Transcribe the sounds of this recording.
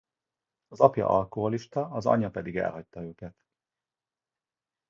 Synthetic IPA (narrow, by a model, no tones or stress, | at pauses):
ɒzɒpjɒ̰ʔɒlkoɦoliʃt̪ɒɒzɒ̰ɲːɒpɛd̪iɡɛ̰lɦɒc̚t̪ɒøːkɛt̪